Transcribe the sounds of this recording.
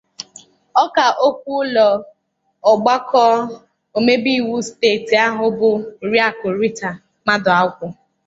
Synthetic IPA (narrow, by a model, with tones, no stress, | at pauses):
ɔ˦ka˨ʔo˦kʷu˦lɔ˨ | ɔ˨ɡ͡ba˦kɔ˦ | o˨me˦bi˦˨wu˦steː˦˨ti˨a˦ɦʊ˨bʊ˨ɾi˦a˦kʊ˨ɾi˦ta˨ | ma˦dʊ˨a˦kʷʊ˦